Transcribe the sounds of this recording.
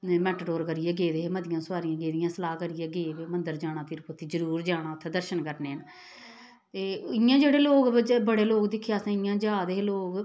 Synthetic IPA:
mɛːʈʈoːɾkəɾɪjeːɡeːd̪eːɦeːməd̪ɪjãːsʊʋaːɾɪjãːɡeːd̪ɪjãːsəlaːkəɾɪjeːɡeːbeːmənd̪əɾd͡ʒaːɽ̃aːt̪ɪɾpʰot̪ʰːiːd͡ʒəɾuːɾd͡ʒaːɽ̃ãːt̪ʰːeːd̪əɾʃənkəɾneːn | t̪eːɪjãːd͡ʒeːɽeːloːkːd͡ʒbəɽeːloːkd̪ɪkʰːjaːsãːɪjãːd͡ʒaːd̪eːɦloːk

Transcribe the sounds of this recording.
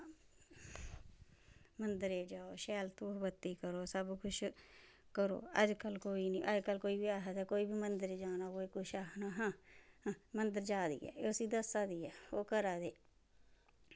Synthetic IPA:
mənd̪əɾeːd͡ʒaːoːʃɛːlt̪ũːbət̪ːiːkəɾoːsəbkʰʊʃ | kəɾo̰ːəd͡ʒkəlkoːiːnĩʔəd͡ʒkəlkoːiːbiːaːɦaːd̪aːkoːiːbiːmənd̪əɾeːd͡ʒaːnaːkoːiːkʊʃaːnaɦãː | mənd̪əɾd͡ʒaːd̪ḭːɛ̰ːeʊsĩːd̪əsaːd̪iːɛːoːkəɾaːd̪eː

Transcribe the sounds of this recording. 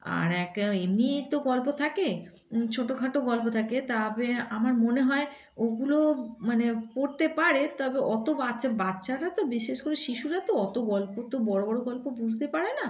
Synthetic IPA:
a̰ɾɛkemnit̪oɡɔlpot̪ʰake | t͡ɕʰoʈokʰaʈoɡɔlpot̪ʰaket̪abeamaɾmoneɦɔe | oɡulomanepoɾt̪epaɾet̪ɔbeʔɔt̪obatːɕʰabatːɕʰaɾat̪obiʃeʃkoɾeʃiʃuɾat̪oɔt̪oɡɔlpot̪obɔɽobɔɽoɡɔlpobud͡ʑʱt̪epaɾena

